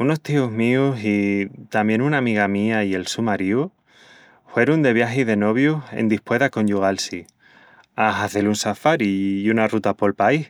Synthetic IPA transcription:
uno̞st̪ioɦmiusit̪ambje̞nunamiɣamiaie̞lsumaɾiu | hwe̞ɾund̪e̞β̞jaɦiðe̞no̞βjusḛnd̪ihpwe̞ðako̞ɲʝuɣalsi | aɦaθe̞lunsafaɾiunarut̪apo̞lpaih

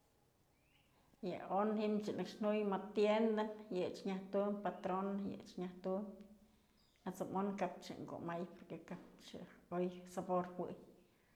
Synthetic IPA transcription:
ja̰onhimt͡ʃɨnɨkʂn̥ujmat̪jend̪ajɨt͡ʃɲaht̪umpat̪ɾonjɨ̰t͡ʃɲaht̪um | at͡samonkap̚t͡ʃɨ̰ŋko̰ʔmajpoɾkekap̚t͡ʃɨ̰ojsaboɾhwɨ̰ʔj

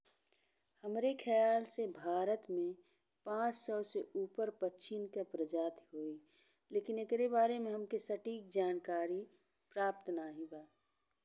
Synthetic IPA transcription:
həmɾekʰɛjaːlsebʱaːɾət̪mẽ | pãːt͡ʃsɔʊseʔuːpəɾpət͡ʃʰɪnkepɾəd͡ʒaːt̪ɦoːi | leːkɪnekɾebaːɾemẽɦəmkesəʈiːk̚d͡ʒaːnkaːɾi | pɾaːp̚t̪naːɦĩbaː

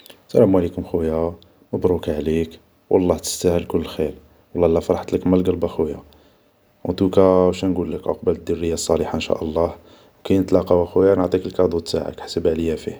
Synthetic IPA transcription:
sælæmwælikʊmxuja | məbɾˤukʕlik | wʔɑ̰lˤːɑht̪ə̥st̪æhəlkʊlːxil | wɑlˤːɑlːæfɑɾˤɑħt̪ləkmælɡəlbaxuja̰ | wnt̪ukæwʃænɡulːəkʕa̰qbələd̪ːʊrːəjːasˤːɑliħanʃæ̰ʔəlˤːɑh | wkæjnət̪lɑqɑwæxujanəʕt̪ˤikəlkɑd̪ˤut̪ːa̰ʕa̰kħsəbʕləjːæfih

